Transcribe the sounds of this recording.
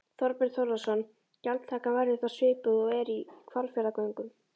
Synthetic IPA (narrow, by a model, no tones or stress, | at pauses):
θɔɾpɛɾθowɾðasɔnː | calt̪t̪ʰaːkavajɾɪθasvɪːpʏðɔɣɛɾikʰvalfjaɾðakoɥŋkʏm